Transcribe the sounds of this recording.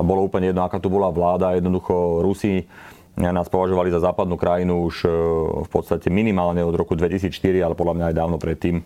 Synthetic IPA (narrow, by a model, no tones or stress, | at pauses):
bɔlɔuːpl̩ɲɛjɛd̪nɔakaːt̪ubɔlaʋlaːd̪ajɛd̪nɔd̪uxɔɾusi | naːspɔʋaʒɔʋalizazaːpad̪nuːkɾajinuuʃfpɔt̪st̪acɛminimaːlɲɛɔd̪ɾɔkud̪ʋɛcisiːt͡sʃt̪iɾialɛpɔd̪lamɲaːjd̪aːʊnɔpɾɛt̪ːiːm